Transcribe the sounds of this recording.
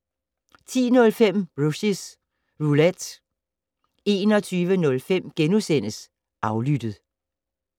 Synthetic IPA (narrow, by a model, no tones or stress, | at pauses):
t͡sʰḭːnɔ̽lfem̰b̥ʁusis | ʁulæd̥ | e̝̰ːnɒ̽t͡sʰyːʋənɔ̽lfem̰ɡ̥enusen̰əs | ʔɑ̈ʊlyd̥əð̩ˠ